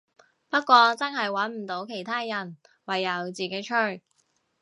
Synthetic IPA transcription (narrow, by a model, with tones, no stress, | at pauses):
pɐ˥t̚kʷɔː˧t͡sɐ˥nɦɐ˨jwɐ˨˥nm̩˨˩t̪o˨˥wkʰe˨˩jt̪ʰaː˥jɐ˨˩n | wɐ˨˩jːɐ˨˧wt͡siː˨ke˨˥jt͡ʃʰɵ˥˩ɥ